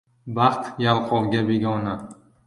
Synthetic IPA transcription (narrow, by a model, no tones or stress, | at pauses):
bɑχt̪jalˠqʰɒwɡʲabeɡʲɒna